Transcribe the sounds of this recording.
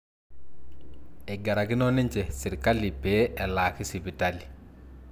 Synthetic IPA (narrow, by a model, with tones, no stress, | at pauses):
ɛ˨ɡa˨ɾa˨kɪ˦nɔ˦nɛ˦ɲt͡ʃɛ˨sɪ˨ɾka˦li˨pe˦ɛ˨laː˨kɪ˦si˨bi˨ta˦li˨